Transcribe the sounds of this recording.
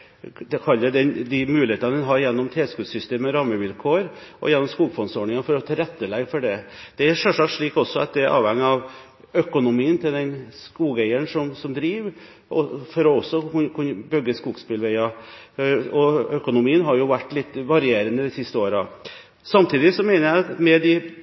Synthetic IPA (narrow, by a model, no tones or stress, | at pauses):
d̪ɛkʰɑlːəd̪ɛnd̪ɪmʉːlɪheːt̪ɑnəd̪ɛnɦɑɾjɛnːɔmt̪ʰeːskʉːsʏst̪eːməɔɾɑːməʋɪlkʰoːɾ | ʔɔ̰jɛnːɔmskuːɡfɔnsɔːɳɪŋɑfɔɾɔt̪ʰɑɾɛt̪ːəlɛɡfɔɖɛd̪̥ɛæɾʂœʂɑkt̪ʂɭiːkɔsːɔɑ̰t̪̚d̪ɛæɾʔɑ̰ːʋɛŋːəɑʋ | œkʊnʊmiːənt̪ʰɪld̪ɛnskuːɡæɪəɳʂɔmsɔmd̪ɾiːʋ | ɔfɔɾɔɔsːɔkʰʉnbœɡːəskuːɡspɪlʋæɪɑ | ɔœkʊnʊmiːənɦɑɾjʊʋæʈːlɪt̪ːʋɑɾɪeːɾənəd̪ɪsɪst̪əoːɾɑ̰ | sɑmt̪ʰiːd̪ɪsɔmæɪnəɾjæɪɑt̪mɛd̪ɪ